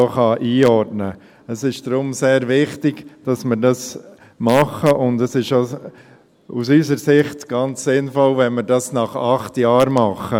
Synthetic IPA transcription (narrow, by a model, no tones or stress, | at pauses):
oχɑʔiːɔɾtnə | əsɪʃd̥ɾʊmseːɾvɪχtɪɡ̥d̥ɑsməɾdɑs | mɑχəʔʊndəsɪʃo | usysəɾsɪχtɡ̥ɑnt͡ssɪnfɔlvɛnməɾdɑsnɑχɑχtjɑːɾmɑχə